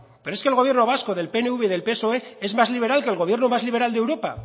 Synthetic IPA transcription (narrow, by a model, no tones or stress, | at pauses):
pe̞ɾoeskelɣ̞o̞β̞je̞ɾno̞β̞asko̞ðe̞lpeneuβeðe̞lpeso̞eezmazliβ̞e̞ɾalkelɣo̞β̞jeɾnomazliβe̞ɾald̪e̞wɾo̞pa̰